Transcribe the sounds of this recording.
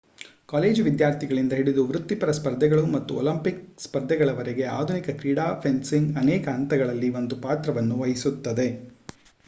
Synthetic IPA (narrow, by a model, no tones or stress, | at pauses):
kaːleːd͡ʒʋid̪jaːɾt̪ʰiɡɐɭind̪ɐɦiɽid̪uʋɾut̪ːipɐɾɐspɐɾd̪ʱːɛɡɐɭumɐt̪ːuolɐmpik̚spɐɾd̪ʱːɛɡɐɭɐʋɐɾeɡe̞a̰ːd̪ʱunikɐkɾiːɽaːpʰensiŋɡɐnɛːkɐɐnt̪ɐɡɐɭɐlːiʋo̞nd̪upaːt̪ɾɐʋɐnːuʋɐjisut̪ːɐd̪e̞